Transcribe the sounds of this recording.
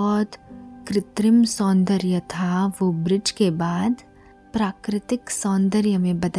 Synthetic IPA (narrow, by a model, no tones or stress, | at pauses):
ɔːt̪kɾɪt̪ɾɪmsɔ̃ːnd̪əɾjət̪ʰaʋobɾɪd͡ʒkebaːd̪ | pɾaːkɾɪt̪ɪksɔ̃ːnd̪əɾjəmẽbɐd̪ə